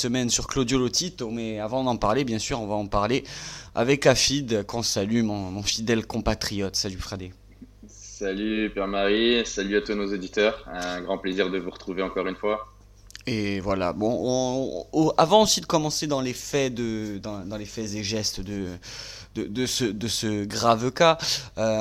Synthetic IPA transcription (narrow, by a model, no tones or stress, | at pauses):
səmɛnsyʁklod̪jolot̪it̪omɛavɑ̃d̪ɑ̃paʁlebjɛ̃syʁɔ̃vaɑ̃paʁlea̰vɛkafid̪kɔ̃salymɔ̃mɔ̃fid̪ɛlkɔ̃pat̪χijɔt̪salyfχad̪e | salypɛʁmaʁisalyat̪wanozod̪it̪œːʁɛ̃ɡʁɑ̃pleziʁd̪əvuʁət̪χuveɑ̃kɔʁynfwa | evwala̰bɔ̃ɔ̃oavɑ̃osid̪əkɔmɑ̃sed̪ɑ̃lefɛd̪əd̪ɑ̃d̪ɑ̃lefɛzeʒɛst̪d̪ə | d̪əd̪əsəd̪əsəɡʁavkaø